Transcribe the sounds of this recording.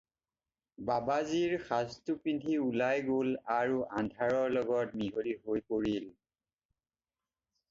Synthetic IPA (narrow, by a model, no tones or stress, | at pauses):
babaziɹxastupintʰiulajɡolaɹuʔandʱaɹɔɹlɔɡɔt̚miɦoliɦojpoɹil